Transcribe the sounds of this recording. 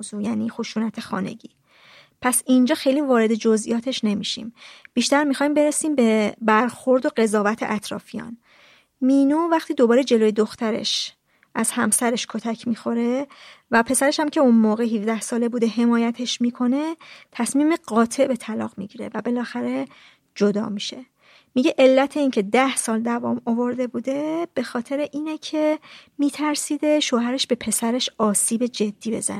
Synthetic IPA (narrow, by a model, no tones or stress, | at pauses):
zujæːniːxoʃuːnæt̪ʰexɒ̰ːne̞̰ɟḭː | pʰæsind͡ʒɒːxe̞jlivɒːɾe̞d̪e̞d͡ʒo̞zʔijɒːt̪ʰe̞ʃne̞miʃḭmb̥iʃt̪æɾmixɒjmbe̞ɾesiːmbe̞bæɾxo̞ɾd̪o̞ɢe̞zɒːvæt̪ʰe̞̰ʔæt̪ʰɾɒ̰ːfijɒ̰ːn | miːnuːvæχt̪ʰiːd̪o̞bɒːɾed͡ʒe̞loːjed̪oxt̪æɾe̞̰ʃ | ʔæz̥hæmsæɾe̞ʃkʰo̞t̪ʰæcʰmiːxo̞ɾe̞væpʰe̞sæɾe̞ʃhæmcʰe̞unmoːɣeɦifd̪æhsɒːle̞bud̪e̞ɦe̞mɒːjæt̪ʰe̞ʃmikʰo̞ne̞t̪ʰæsmiːmeɢɒːt̪ʰe̞ʔbe̞t̪ʰælɒ̰ɣmḭɟiːɾe̞̰væbe̞lɒːxæɾe̞ | d͡ʒod̪ɒ̰ːmiʃe̞ | miɟe̞ʔe̞lːæt̪ʰe̞iːŋcʰe̞d̪æhsɒːld̪ævɒ̰ːmovo̞ɾd̪e̞buːd̪e̞b̥e̞xɒːt̪ʰe̞ɾeʔiːnecʰe̞miːt̪ʰæɾsiːd̪e̞ʃoːɦæɾe̞ʃb̥e̞pʰe̞sæɾe̞ʃɒːsiːbe̞d͡ʒe̞d̪̥ːiːbe̞̰zæ̰ne